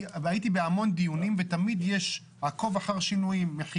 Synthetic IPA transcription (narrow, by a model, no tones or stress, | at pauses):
ajit̪ibehamo̞nd̪ijunimvet̪amid̪jeʃ | hako̞vaχaʁʃinuimːeχ